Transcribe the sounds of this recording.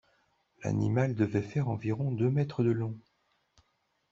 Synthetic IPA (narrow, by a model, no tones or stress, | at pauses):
la̰nḭmald̪əvɛfɛʁɑ̃viʁɔ̃d̪ømɛt̪χəd̪əlɔ̃